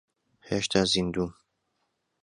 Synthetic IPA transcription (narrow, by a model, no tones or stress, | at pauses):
heʃt̪ʰaːzind̪uːm